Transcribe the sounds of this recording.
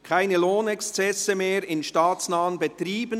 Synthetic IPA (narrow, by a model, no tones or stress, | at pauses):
kʰaɪnəloːnɛkst͡sɛsəmeːɾɪnʃtaːt͡snaːənbət̪ɾiːbən